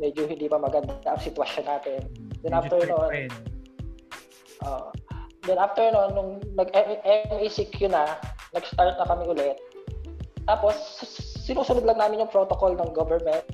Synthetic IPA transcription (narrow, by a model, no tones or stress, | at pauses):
mɛd͡ʒohɪnd̪iːpɐmɐɡɐnd̪aʔɐŋsɪt̪wɐʃonːaːt̪ɪnd̪ɛnʔaft̪ɛɹnoʔon | ʔo̰ːʔod̪ɛnʔaft̪ɛɹnoʔonːʊŋnɐɡʔɛʔɛmisɪkjʊnɐnɐɡst̪aɹt̪̚nɐkɐmɪʔʊlɛt̪̚ː | aːpo̞sːɪnuːsʊnʊd̪lɐŋnaːmɪnjʊŋpɾot̪okolnɐŋɡovɛɹmɛnt̪̚